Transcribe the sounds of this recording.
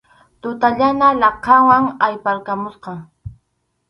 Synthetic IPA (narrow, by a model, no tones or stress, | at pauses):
t̪ʊt̪aʎanalɑqɑwaŋajpaɾkamʊsqɑ